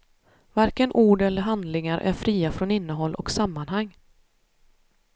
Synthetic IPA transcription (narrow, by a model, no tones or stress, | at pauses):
vaɾkənʔuːɖɛlːəɾɦand̪lɪŋaɾʔæ̰ɾfɾiːafɾɔnɪnːəɦɔlːʔɔksamːanɦaŋː